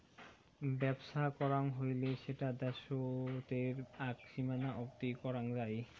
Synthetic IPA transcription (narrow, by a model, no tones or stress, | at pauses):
bɛbʃakɔɾaŋɦojleʃeʈad̪ɛʃot̪eɾakʃimanaʔopt̪ikɔɾaŋd͡ʑaj